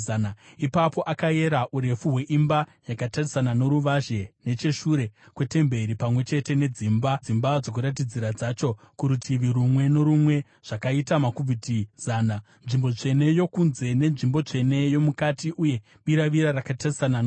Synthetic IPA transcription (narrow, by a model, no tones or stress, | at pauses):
naipapo̞ʔakae̞ɾaʔuɾe̞fuɦwe̞ʔimbajakatarisanano̞ɾuʋaʒe̞ne̞t͡ʃe̞ʃuɾe̞kwe̞te̞mbe̞ɾipamwe̞t͡ʃe̞te̞ne̞d͡zimbad͡zimbad͡zo̞k̬uɾat̬id͡ziɾad͡zat͡ʃo̞ | kuɾutʰiʋiɾumwe̞no̞ɾumwe̞ | ʐ̥akaitamakuvitizaːna | nʐimbo̞ʐe̞ne̞jo̞kunze̞ne̞nʐimbo̞t͡ʂe̞ne̞jo̞mukatiʔuje̞ | ɓiɾaʋiɾarakatarisanan